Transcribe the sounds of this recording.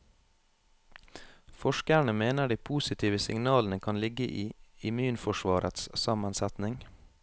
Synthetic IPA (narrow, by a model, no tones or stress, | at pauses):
fɔʃkəɳəmeːnəɖiːpʰuːsɪt̪ʰiːʋəsɪ̰ŋnɑːln̩əkʰɑnlɪɡəʔiːɪmʉːnfɔʃʋɑːɾʔə̰t̪ssɑmənsɛt̪nɪŋ